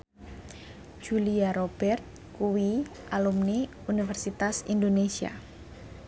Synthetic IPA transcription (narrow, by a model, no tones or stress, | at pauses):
d͡ʒ̥uliaɾob̥ɛrt̪̚ | kuwiʔalumni | unifɛrsit̪asḭnd̪onesia̰